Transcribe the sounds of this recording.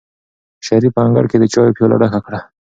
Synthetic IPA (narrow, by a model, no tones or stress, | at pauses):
ʃaɾipaŋɡa̰ɽked̪ət͡ʃɑjopjɑla̰ɽaxakɽa